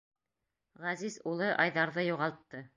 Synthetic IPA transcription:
ʁæzizulˠɤʔɑjðɑɾðɤjuʁɑlˠt̪ːɤ

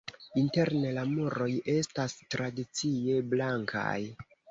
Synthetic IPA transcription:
inte̞ɾne̞lamoɾo̞je̞stastɾadit͡sie̞blaŋkʰa̰j

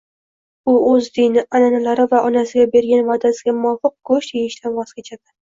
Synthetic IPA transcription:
ʊɵzd̪inɪʔananalaɾɪvaɒnasɪɡʲabe̞ɾɡʲanvad̪asɪɡʲamʊɒfɨq̚ɡɵʃt̪ʰejɪʃt̪ʰanvɒskʲʰet͡ʃʰad̪̥ɪ

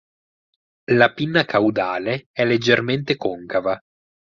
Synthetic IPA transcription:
lapinːakʰawd̪aːleɛlːed͡ʒːerment̪ekoŋkava

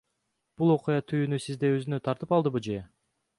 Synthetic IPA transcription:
b̥ulˠo̞qujɑt̪ʰyjynysizd̪e̞ø̞zynø̞t̪ʰɑɾt̪ɯpɑlˠd̪ɯbud͡ʒe

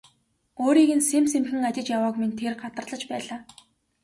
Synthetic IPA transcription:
oːɾiːɣɘ̆nsemsemxɘ̆ŋat͡ɕʲɪ̆t͡ɕjawaːkmint̪ʰerɢat̪ə̆rɮə̆t͡ɕpæːɮaː

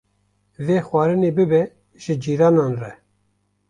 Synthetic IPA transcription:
veːxwɑːɾɨneːbɨbɛ | ʒ̥ɪd͡ʒiːɾɑːnɑːnrɛ

